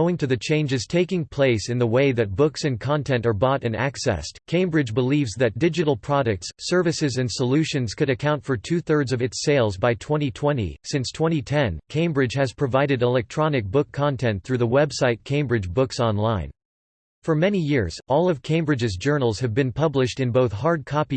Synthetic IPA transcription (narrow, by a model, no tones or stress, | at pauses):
oʊɪ̃ŋtʰɨðɨt͡ʃʰẽɪ̃nd͡ʒɨz̥tʰeɪkɪ̃ŋpʰl̥eɪsɨ̃nðəweɪðɨt̚b̥ʊksɨ̃nkʰɑ̃ntʰɛ̃ntə˞bɔɾɨ̃næ̰ksɛ̰stkʰẽɪ̃mbɹɨd͡ʒbəlivzðɨt̚d̥ɪd͡ʒɨɾl̩ˠpʰɹ̥ɑɾɨk̚tsɜ˞vɨsɨzɨ̃nsəlʉʃɨ̃nz̥kʰɨɾɨkʰãʊ̃ntfə˞tʰʉθɜ˞dzʌvɨtseɪlˠzbaɪtʰw̥ɛ̃ɾ̃itʰw̥ɛ̃ñḭsɪ̃nstʰw̥ɛ̃ɾ̃itʰɛ̃nkʰẽɪ̃mbɹɨ̥ʒ̥ɨz̥pʰɹ̥ɨvaɪɾɨɾəlɛk̚tʰɹ̥ɑnɨk̚b̥ʊkʰːɑ̃ntʰɛ̃nθɹʉðəwɛbsaɪt̚kʰẽɪ̃mbɹɨd͡ʒbʊksɑ̃nlãɪ̃n | fə˞mɛnijɪɹz̥ɔlˠʌv̥kʰẽɪ̃mbɹɨd͡ʒɨzd͡ʒɜ˞nl̩ˠz̥ɨvbɨ̃npʰʌblɨʃtɨ̃nboʊθhɑɹd̚kʰɑpi